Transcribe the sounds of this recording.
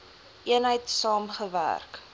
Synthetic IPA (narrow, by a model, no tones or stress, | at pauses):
ʔiənɦəjtsɑːmχəvæ̰rk